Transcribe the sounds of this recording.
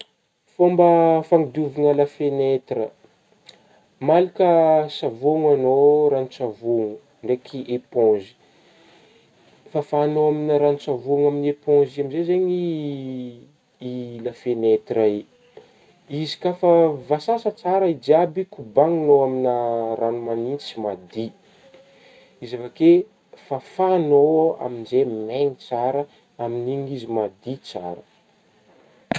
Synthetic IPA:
fombəfaŋid̪uviŋəlafenet̪rə | malikəsavoŋanoɾanit͡savuŋu | ɳɖ͡ʐekʰiʔepõzi̥ | fafaːnoaminaɾanit͡savuŋaminiepõziamizezeɲi | ilafenet̪rai | izi̥kafavasasət͡saɾəid͡ʒiabikubaŋinoaminaranumanint͡si̥mad̪i | izavake | fafanoa̰minzemeŋit͡saɾə | aminiɲizimad̪it͡sa̰ɾə

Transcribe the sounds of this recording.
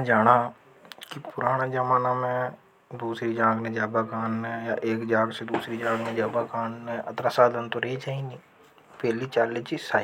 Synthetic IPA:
ɛ̃d͡ʒaːɽa | kipʊɾaːɽ̃ad͡ʒəmaːnamẽ | d̪uːsɾid͡ʒãːɡnẽd͡ʒaːbakaːnːejaʔeːkd͡ʒaːɡsed̪uːsɾid͡ʒãːɡnẽd͡ʒaːbakaːnːẽʔɐ̰t̪ɾasaːd̪ʱənt̪oɾəɦit͡ʃaːiniː | pɛːlit͡ʃaːlet͡ʃisaː

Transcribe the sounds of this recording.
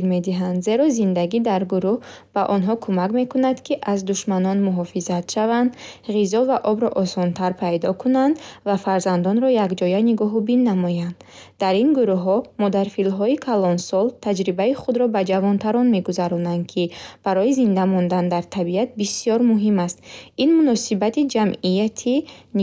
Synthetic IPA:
ɾme̞d̪iɦand̪ze̞ɾɔzind̪aɡid̪aɾɡuɾuh | b̥aʔɔnɦɔkʰumakme̞kunad̪̥kʰiʔazd̪uʃmanɔnmuɦɔfizat̪ʃavand̪ʁizɔvaʔɔbɾɔʔɔsɔnt̪ʰaɾpʰajd̪ɔkʰunand̪vafaɾzand̪ɔnɾɔjakd͡ʒɔjaniɡɔɦubinːamɔjand̪ | d̪aɾinɡuɾuɦɔmɔd̪aɾfilɦɔikʰalɔnsɔlt̪ʰad͡ʒɾibaiχud̪ɾɔbad͡ʒavɔnt̪ʰaɾɔnme̞ɡuzaɾɔnand̪̚kʰib̥aɾɔizind̪amɔnd̪and̪aɾt̪ʰabiat̪̚bisijɔɾmuɦimast̪inmunɔsibat̪id͡ʒamijat̪ʰin

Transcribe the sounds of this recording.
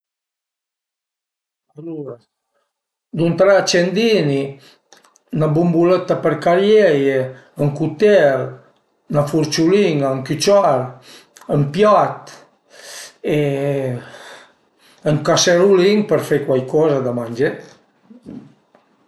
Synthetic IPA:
aluɾa | d̪unt̪ɾat͡ʃend̪ini | nabumbulet̪ːapəɾkaɾjeje | əŋkut̪ɛeɾ | nafuɾt͡ʃuliŋaəŋkyt͡ʃaɾ | əmpjat̪ | e | əŋkaseɾuliŋpəɾfejkwajkɔzad̪amand͡ʒe

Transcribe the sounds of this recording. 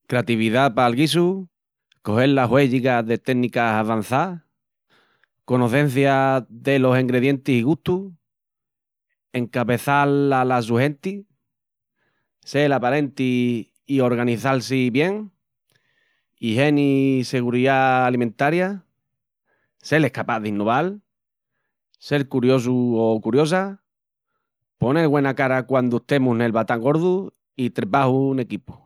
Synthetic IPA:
kɾeat̪iβiðapalɣis̬u | ko̞ɦe̞llaɦwe̞ʝiɣaðe̞t̪enikasaβan̟θa | konoθẽ̞n̟θjaðe̞lo̞siŋɡɾe̞ðje̞nt̪isiɣuht̪u | e̞ŋkaβe̞θalalas̬uɦe̞nt̪i | selapaɾe̞nt̪iː | o̞ɾɣ̞aniθals̬iβje̞ŋ | iɦe̞nise̞ɣ̞uɾiðaːlimẽnt̪aɾja | se̞lehkapaðinːo̞β̞al | se̞ɾkuɾjo̞s̬uokuɾjo̞s̬a | po̞neɣwe̞nakaɾakwand̪ueht̪e̞mũɦne̞lβat̪aŋɡo̞ɾðu | it̪ɾepahune̞kipu̥

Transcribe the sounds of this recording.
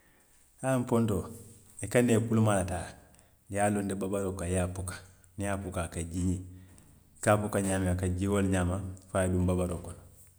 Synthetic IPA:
amponto | ekanekulumalataː | jaːlondebabaɾoːkajapukḁ | nijapukakaɟiɲi | kapukaɲaːmiakaɟiwolɲaːmafaadumbabaɾoːkɔnɔ

